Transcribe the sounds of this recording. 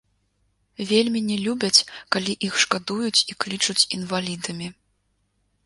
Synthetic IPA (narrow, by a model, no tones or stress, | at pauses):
vʲelʲmʲinʲɛlʲubʲɐt͡sʲkalʲiʔixʂkad̪ujut͡sʲiklʲit͡ʂut͡sʲinvalʲid̪ɨmʲi